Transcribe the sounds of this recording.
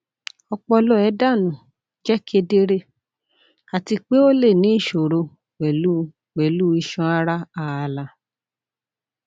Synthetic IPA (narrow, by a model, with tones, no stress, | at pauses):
ɔ˧k͡pɔ˧lɔ˦ɛ˨˦da˦˨nũ˨ | d͡ʒɛ˦kʰe˧de˦˧ɾe˦˨ | a˨ti˧k͡pe˦o˦le˦˨nĩ˨˦i˦˨ʃo˨ɾo˧ | wɛ˨lu˦ | wɛ˨lu˦i˧ʃɔ̃˧˦a˦ɾa˦a˦˨a˧˨la˧